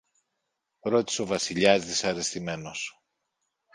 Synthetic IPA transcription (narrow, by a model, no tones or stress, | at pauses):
ɾo̞t̪i̥so̞vɐsiʎɐzðisɐɾe̞st̪ime̞no̞s